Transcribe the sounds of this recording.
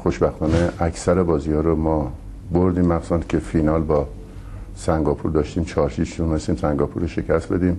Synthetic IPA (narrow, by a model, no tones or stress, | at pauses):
xoʃbæxt̪ʰɒːneʔæcsæɾebɒːziːhɒːɾomɒː | boɾd̪iːmːæɡsɒncʲʰe̞finɒːlbɒː | sæŋɡɒːpʰuɾd̪ɒːʃt̪iːmt͡ʃʰɒːɾʃiːbʃunmest̪iːmsæŋɡɒːpʰuɾoʃe̞cʰæst̪be̞d̪iːm